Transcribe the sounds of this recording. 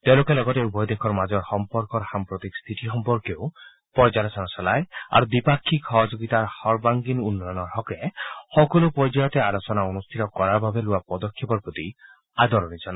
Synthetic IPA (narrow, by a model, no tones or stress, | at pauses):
t̪ewlokelɔɡɔteubɔjd̪ekʰɔɾmad͡ʒɔɾxɔmpɔɾkɔɾhampɾɔt̪ikst̪ʰiʈixɔmpɔɾkew | pɔɾd͡ʒaɾɔsɔnɔsalaea̰ɾud̪ipakʰːikʰɔɦɔd͡ʒoɡit̪aɾhɔɾbaŋɡinunːɔjɔnɔɾɦɔkehɔkɔlupɔɾjd͡ʒajɔt̪ealɔt͡ʃɔnaunust̪ʰit̪ɔkɔɾabʱabeluapɔd̪ɔkʰːepɔɾpɾɔt̪i | ad̪ɔɾɔnit͡ʃʰɔna